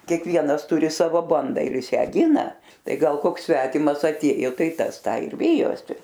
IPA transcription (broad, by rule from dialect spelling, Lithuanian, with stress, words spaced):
kʲiɛkˈʋʲiɛnɐs ˈtʊrʲɪ ˈsɑːʋoː ˈbɐndɐ ɪr ˈjɪs ˈjæː ˈɡʲɪnɐ ˈtɐɪ ˈɡɐlˠ ˈkoːks ˈsʲʋʲæːtʲɪmɐs ɐtʲˈeːjoː ˈtɐɪ ˈtɐs ˈtɑː ɪr ˈʋʲɪjoːsʲɪ